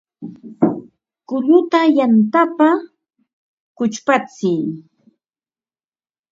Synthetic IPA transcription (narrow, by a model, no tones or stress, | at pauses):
kʊʎʊt̪ajant̪apa | kʊt͡ʃpat͡sɪj